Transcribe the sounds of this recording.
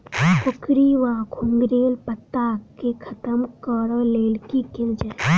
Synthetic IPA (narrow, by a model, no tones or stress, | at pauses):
kʊkʰɾiʋaːkʰuŋɡɾeːlpət̪ːaːkːekʰɐt̪əmkəɾleːlkikɪnd͡ʒə